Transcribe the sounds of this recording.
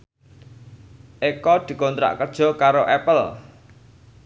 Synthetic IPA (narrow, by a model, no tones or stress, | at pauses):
ʔekɔd̪̥i̤kɔnt̪ɾa̰ʔkəd̥ʒ̥ɔ̤kaɾoʔɛpəl